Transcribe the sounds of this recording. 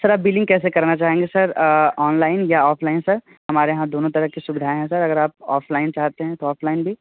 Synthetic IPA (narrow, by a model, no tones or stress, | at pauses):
sɐɾaːp̚biːlɪ̃ŋɡkɛːs̬ekɐɾnat͡ʃaːɦẽːŋɡesɐɾɔːnlaːɪnjaɔːfʰlaːɪnsɐɾ | ɦɐmaːɾeɦãd̪oːnõt̪ɐɾəɦkisʊbɪd̪ʱaːẽɦɛ̃sɐɾɐɡəɾaːp̚ɔ̰ːfʰlaːɪnt͡ʃaːɦt̪eɦɛ̃t̪oɔːfʰlaːɪnbʱi